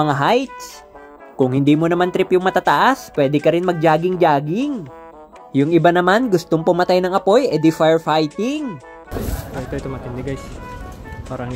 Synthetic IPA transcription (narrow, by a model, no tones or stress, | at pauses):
ɐŋaɦajt̪̚s | kʊŋhɪnd̪iːmonɐmant̪ɾɪpjʊŋmɐt̪aːt̪ɐʔaspwɛːd̪ɪkɐɾɪnmɐɡ̚d͡ʒaːɡɪŋd͡ʒaːɡɪŋ | jʊŋɪbanɐmanɡʊst̪oŋpʊmɐt̪ajnɐŋʔɐpo̞jʔɛd̪ɪfajɹfajt̪ɪŋ | oɪt̪oɪt̪omɐt̪ɪnd̪ɪɡajs | paːɾɐŋ